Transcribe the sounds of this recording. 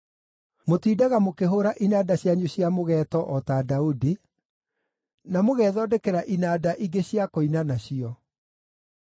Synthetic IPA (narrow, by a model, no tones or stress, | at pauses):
motiːdaɣamokeɦoɾaʔinaːdaɕjaɲuɕjamoɣɛtɔʔɔtadaudi | namoɣɛðɔdɛkɛɾaʔinaːdaʔiɡeɕjakoinanaɕiɔ